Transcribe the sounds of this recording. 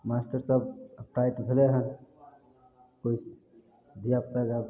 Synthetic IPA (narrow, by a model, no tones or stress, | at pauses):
masʈəɾsəbəp̚ʈ̪ait̪bʱeleɦən | kos | d̪ʱijaptəɡa